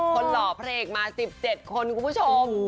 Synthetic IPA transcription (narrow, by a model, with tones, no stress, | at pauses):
kʰo˧nlɔː˩˦pʰa˧a˧ʔeː˨˩k̚maː˧si˨˩p̚t͡ɕe˨˩t̪̚kʰo˧nkʰu˨˩mpʰu˦˥t͡ɕʰo˧m